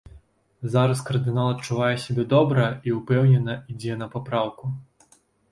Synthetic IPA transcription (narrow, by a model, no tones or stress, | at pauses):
zaɾɐskɐrd̪ɨnalˠɐt̪̚t͡ʂuvajɛsʲabʲɛd̪ɔbɾɐiupɛwnʲɛnɐid͡zʲɛnɐpapɾawku